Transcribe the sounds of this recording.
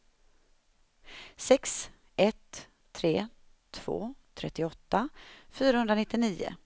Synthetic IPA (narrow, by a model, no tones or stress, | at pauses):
sɛks | ʔɛt̪ | t̪ʰɾeː | t̪ʰv̥o̰ːt̪ʰɾɛt̪ːɪɔt̪ːafyːɾahɵnd̪ɾanɪt̪ːɪniːʊ̰